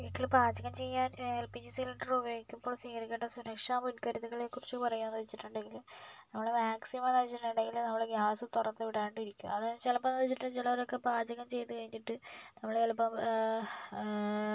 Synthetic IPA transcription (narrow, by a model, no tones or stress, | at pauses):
ʋiːʈːilpaːd͡ʑɐɣɐmt͡ɕe̞jːaːnelpiɲːɐsiliʈːɐrubjo̞ːɡikʲːumboːɭsiːkɐɾikʲːeʈːɐsuɾɐkʂaːmunkɐɾuðuɣɐɭekːurit͡ɕːɨpɐrɐjunenːɐʋit͡ɕːiʈːuɳɖe̞ŋɡilumnɐmːɐɭemaːksimmanɐʋɐt͡ɕːiʈːuɳɖe̞ŋɡilnɐmːɐɭeɡaːsɨt̪urɐnːeʋiɽaːjuɳɖiɾikʲːumɐðt͡ɕelɐpːɐnːɐðit͡ɕːiʈːɨt͡ɕilɐʋɐɾokːepaːd͡ʑɐɣɐmt͡ɕe̞jt̪ːɨkɐɻiɲːiʈːɨnɐmːɐɭeelpːɐm